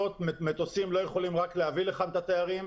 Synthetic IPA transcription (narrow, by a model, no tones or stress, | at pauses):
ot̪memet̪osimlo̞jeχo̞limʁakleɦavileχant̪at̪eaʁim